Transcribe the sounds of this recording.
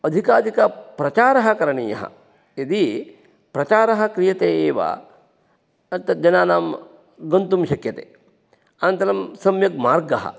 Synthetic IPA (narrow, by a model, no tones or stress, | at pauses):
ɐd̪ʱikaːd̪ʱikɐpɾɐt͡ʃaːɾɐɦɐ̆kɐɾɐɳiːjɐ̰ɦɐ̰ | id̪i | pɾɐt͡ʃaːɾɐɦɐ̆kɾijɐt̪eːeːʋa̰ | ɐt̪ːɐd͡ʒɐnaːnaːm | ɡɐnt̪umʃɐkjɐt̪ḛː | ɐnɐnt̪ɐɾɐmsɐmjɐk̚maːɾɡɐɦɐ̰